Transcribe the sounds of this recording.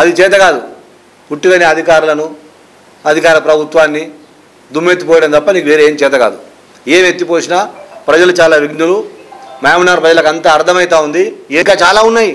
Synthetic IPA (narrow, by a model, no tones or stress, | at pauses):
ɐd̪it͡ʃɛːt̪̬ɐɡaːd̪u | puʈːukɐneːɐd̪ʱikaːɾulɐnu | ɐd̪ʱikaːɾɐpɾɐbʱut̪ʋaːnːi | d̪umːe̞ːt̪ːupɔːjɐɽɐmnt̪ɐpːɐniːkuʋeːɾeeːmt͡ʃɛːt̪ɐɡaːd̪u | eːmet̪ːipoːsinaːpɾɐd͡ʒɐlut͡ʃaːlaːʋiɡnulumaːmnaːɾpɾɐd͡ʒɐlɐkɐnt̪ɐːɾt̪ʰɐmɐjit̪aːund̪iːŋkaːt͡ʃaːlaːunːaːji